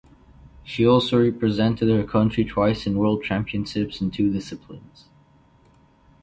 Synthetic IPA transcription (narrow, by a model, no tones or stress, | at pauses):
ʃiɔlˠsoʊɹɛpɹɨzɛ̃ntɨd̚hə˞kʰʌ̃nt͡ʃɹ̥itʰw̥aɪsɨ̃nwɜ˞lˠd̚t͡ʃʰæ̃mpiɨ̃nʃɪpsn̩tʰʉdɪsɨpʰlɪ̰̃nz̥